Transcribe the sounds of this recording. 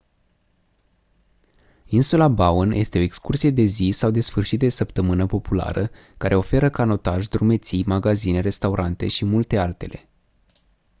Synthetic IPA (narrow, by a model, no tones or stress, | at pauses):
insulabaonjʔe̞st̪e̞o̞ekskursije̞d̪e̞zisawd̪e̞sfɨrʃit̪̚d̪esəpt̪əmɨnəpo̞pula̰ɾə | kaɾʔe̞o̞fe̞ɾəkano̞t̪aʒʲd̪ɾume̞t̪sijmaɡazine̞ɾe̞st̪awɾʔant̪e̞ʃimult̪e̞alt̪e̞le̞̰